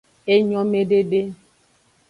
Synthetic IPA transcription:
e˦ɲɔ̃˦me˦ɖe˦ɖe˦

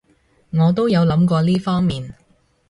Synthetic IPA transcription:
ŋɔː˨˧t̪̬o˥wjɐ˨˧wlɐ˨˥mkɔː˧liː˥fɔː˥ŋmiː˨n

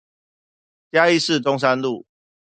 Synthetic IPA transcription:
t͡ɕja˦i˥˨˧sɹ̩˥˨t̪o˦ŋs̬a˦nlu˥˨

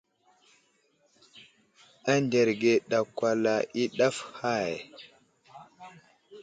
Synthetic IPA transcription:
a˦nde˨ɾɡe˨ɗa˨kwa˨la˨i˦ɗa˦fha˦˨j

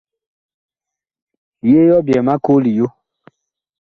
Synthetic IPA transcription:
je˦jɔ˦bjɛ˨mã˦ko˦li˨jo˦

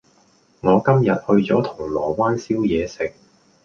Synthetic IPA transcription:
ŋɔː˨˧kɐ˥mjɐ˨t̚hɵ˧ɥt͡sɔː˨˥t̪ʰʊ˨˩ŋlɔː˨˩waː˥nsiː˥wjɛː˨˧sɪ˨k̚

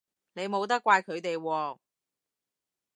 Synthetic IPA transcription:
ne˨˧jmo˨˧wt̪̬ɐ˥kʷːwaː˧jkʰɵ˨˧ɥt̪e˨jwɔː˧

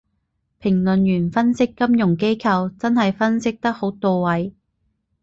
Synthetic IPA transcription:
pʰɪ˨˩ŋlɵ˨njyː˨˩nfɐ˥nsɪ˥kːɐ˥mjʊ˨˩ŋke˥jkʰɐ˧wt͡sɐ˥nɦɐ˨jfɐ˥nsɪ˥k̚t̪ɐ˥k̚ho˨˥wt̪o˨wwɐ˨˥j

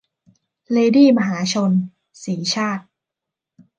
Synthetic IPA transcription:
leː˧diː˥˩ma˧ɦaː˩˦t͡ɕʰo˧n | siː˩˦t͡ɕʰaː˥˩t̪̚

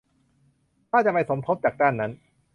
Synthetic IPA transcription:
kaː˥˩t͡ɕa˨˩pa˧jso˩˦mt̪ʰo˦˥t̚t͡ɕaː˨˩k̚daː˥˩nːa˦˥n

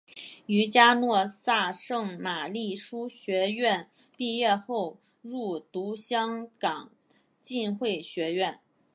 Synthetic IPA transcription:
y˧˥t͡ɕja˥nwɔ˥˧sa˥˧ʂɤ˥˩ŋma˨˩li˥˩ʂu˥ɕɥɛ˧˥ɥɛ˥˧n | pi˥˧jɛ˥˧xo˥˧ʊ | ɻu˥˩t̪u˧˥ɕjɑ˥ŋkɑ˨˩˦ŋ | t͡ɕi˥˧nxwe˥˩ɪɕɥɛ˧˥ɥɛ˥˩n

